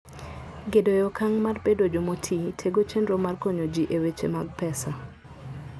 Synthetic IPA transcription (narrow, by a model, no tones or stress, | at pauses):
ɡedojɔkaŋmarpedod͡ʒomotʰitʰeɡot͡ʃendɾomarkoɲod͡ʒiʔewet͡ʃḛmaɡ̚pɛsa